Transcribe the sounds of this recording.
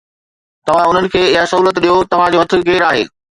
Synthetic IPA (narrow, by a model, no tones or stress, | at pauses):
t̪ɐʋ̤ãʊn̤ənɪ̆kʰeːɪɦasɐɦuːlət̪ɗijot̪ɐʋ̤ãd͡ʑoːʋɐt̪ʰɪ̆ɡeːɾaːɦḛː